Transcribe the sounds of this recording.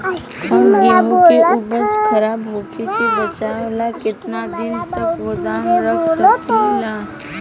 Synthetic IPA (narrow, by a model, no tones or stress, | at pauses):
hɐmɡɛɦõkeʔʊbəd͡ʒkʰɐɾaːbɦoːkʰekebɐt͡ʃalakɪt̪nad̪ɪnt̪ɐkod̪aɦɾəklkːlaː